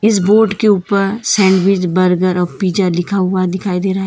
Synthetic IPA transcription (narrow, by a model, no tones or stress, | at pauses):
ɪs̬boːɾɖkeuːpəɾsɛ̃ːɳɖwɪt͡ʃbɐɾɡəɾɔːɾpiːd͡ʒalɪkʰaɦʊad̪ɪkʰaːid̪eːɾaɦaɦ